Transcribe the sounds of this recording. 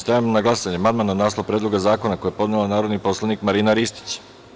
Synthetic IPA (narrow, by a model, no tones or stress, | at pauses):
st̪ajamonaɡlˠasaɲemand̪mananaːslˠopɾed̪loɡazaːko̞nakojepo̞d̪nelanaːɾod̪nipo̞slˠanikmaɾinaɾist̪i̥t͡ɕ